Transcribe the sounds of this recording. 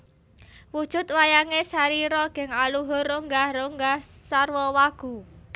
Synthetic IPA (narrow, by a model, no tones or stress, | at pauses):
wud̥ʒ̥ʊ̤t̪̚wajaŋesaɾiɾɔɡ̥ɛ̤ŋaluɦʊroŋɡahroŋɡahsarwɔwaɡ̥ṳ